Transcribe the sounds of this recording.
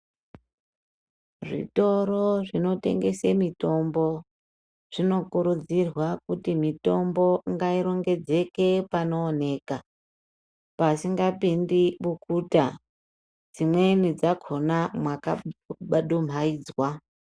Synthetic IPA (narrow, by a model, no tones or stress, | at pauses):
ʐḭto̞ɾo̞ʐino̞te̞̰ŋɡe̞semito̞mbo̞ | ʐ̥ino̞kuɾud͡zirwakutimito̞mbo̞ŋɡaiɾo̞ŋɡe̞d͡ze̞ke̞pano̞ːne̞ːka | pasiŋɡapindiɓukuːta | d͡zimwe̞nid͡zakʰo̞namwakaɓaɗum̤aiːd͡zwa